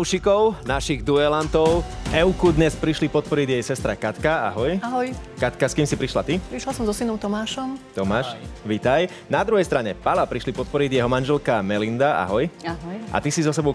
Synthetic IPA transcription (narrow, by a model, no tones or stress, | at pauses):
uʃikɔʊnaʃiɣd̪uɛlant̪ɔʊʔɛʊkud̪ɲɛspɾiʃlipɔt̪̚pɔɾiɟjɛjsɛst̪ɾakat̪kaa̰ɦɔjaɦɔjkat̪kaskiːmsipɾiʃla̰t̪ipɾiʃlasɔmzɔsinɔʊt̪ɔmaːʃɔmt̪ɔmaːʃʋit̪aj | nad̪ɾuɦɛjst̪ɾaɲɛpalapɾiʃlipɔt̪̚pɔɾiɟjɛɦɔmanʒɛlkamɛlind̪aa̰ɦɔjaɦɔjʔa̰t̪isizɔsɛbɔʊ